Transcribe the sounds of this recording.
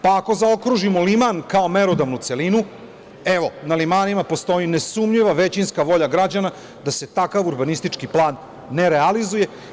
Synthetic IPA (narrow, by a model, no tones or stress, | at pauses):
pako̞zao̞kɾuʒimolimankao̞meɾod̪aʋnut̪se̞linu | eʋo̞nalimaːnimapo̞st̪o̞inesumʎiʋaʋe̞t͡ɕinskaʋo̞ʎaɡɾad͡ʑana | d̪ase̞t̪akaʋuɾbanist̪it͡ʃkiplˠaːnː | e̞ɾealizuje̞